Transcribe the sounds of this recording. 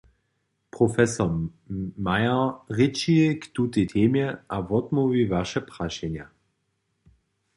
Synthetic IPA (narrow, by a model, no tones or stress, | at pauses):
pʁɔfɛsɔ | majaʁɪt͡ʃijɛkt̪ut̪etʰeːmjɛʔavɔd̪muvivaʃɛpʁ̥aʃɛnja